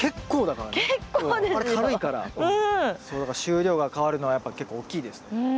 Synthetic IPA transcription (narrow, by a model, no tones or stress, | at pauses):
ke̞kʰːo̞ːd̪akaɾaːod̪eaɾekaɾɯikaɾa̰ɯ̃so̞ːd̪akaɾaɕɨːɾʲo̞ːɡakaβaɾɯ̟no̞βajapːake̞kːo̞ːkʲːiːd̪e̞sɨ̥ne